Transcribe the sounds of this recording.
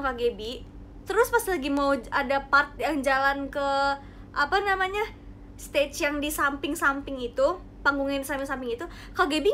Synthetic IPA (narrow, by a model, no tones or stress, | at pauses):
kaɡebi | t̪əɾʊspast̪ilaɡimauadapart̪̚jaŋd͡ʒalankə | ʔapanamaɲa | st̪et͡ʃjaŋdisampɪŋsampɪŋit̪u | paŋɡuŋɪnsampɪŋsampɪŋit̪u | kaɡebi